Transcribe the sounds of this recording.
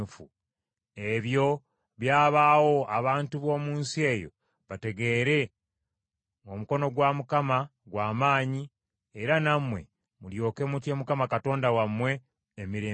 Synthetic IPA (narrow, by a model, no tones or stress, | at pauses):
ufu | e̞βjo̞ | βjaːβawo̞aβaːntuβo̞ːmuːnsie̞jo̰ | βate̞ɡe̞ɾe̞ | omuko̞no̞ɡwamukamaɡwaːmaːɲi | eɾanamwe̞̰ | muljo̞ːke̞mutje̞mukamakato̞ːndawamwe̞ː | miɾeː